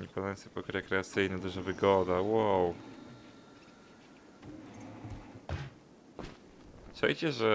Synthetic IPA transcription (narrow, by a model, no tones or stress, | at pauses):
ɲipad̪ajɔnsɛpɔkɾɛkɾɛat̪sɘjnɛd̪uʐavɘɡɔd̪awaw | sɛ̰jt͡ɕɛʐɛ